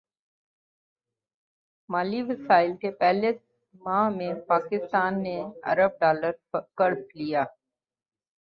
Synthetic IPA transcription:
maːliʋɐsaːɪlkepɛːles | mãːɦmẽpaːkɪst̪aːnːeɐ̰ɾəb̚ɖaːləɾkɐɾplijaː

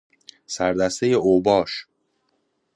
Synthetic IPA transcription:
sæɾd̪æst̪ejeoːbɒːʃ

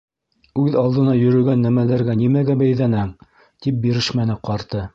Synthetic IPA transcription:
ʉðɑlˠd̪ɤ̆nɑjɵ̆ɾɵ̆ɡænːæmælæɾɡænimæɡæbæjðænɘŋ | t̪ip̚biɾɘʃmænɘqɑɾt̪ɤ

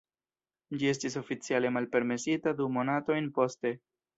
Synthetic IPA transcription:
d͡ʒie̞s̬tis̬o̞fit͡siale̞malpe̞ɾme̞sitadumo̞nato̞jnpo̞ste̞

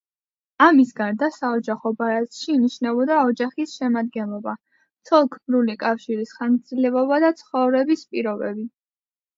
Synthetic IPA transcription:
amisɡaɾd̪asaɔd͡ʒaχɔbaɾat̪ʃiːniʃnɛbɔd̪aɔd͡ʒaχisʃɛmad̪̚ɡɛnlˠɔba | t̪sʰɔlˠkʰmɾulikʼafʃiɾisχasilɛɔbad̪at̪sʰχɔvɾɛbispʼiɾɔbɛbi

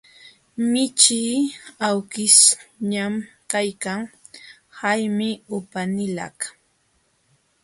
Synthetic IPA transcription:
mɪt͡ʃiːawkɪsɲamkajkaŋ | hajmɪʊpanɪlɑ̰k

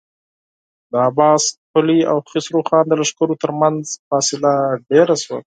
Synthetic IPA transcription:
d̪əabɑspʊlia̰wxɪsɾuxɑnd̪əlaʂkəɾot̪əɾmanzfɑsɪlaɖeɾaswa̰

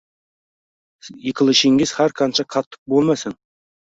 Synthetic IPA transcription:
jekʲɪlˠɪʃeŋɡʲɪz̥hæɾqʰɑnʃɑqʰɑt̪ʰːə̥q̚bolˠmɑsɪn

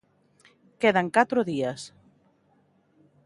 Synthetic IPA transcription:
keðaŋkat̪ɾoðias

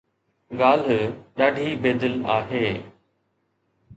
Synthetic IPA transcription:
ɠaːl̤ɗaːɖʱiːbeːd̪əlaːɦeː

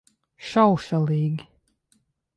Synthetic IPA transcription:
ʃawʃaliːɡ

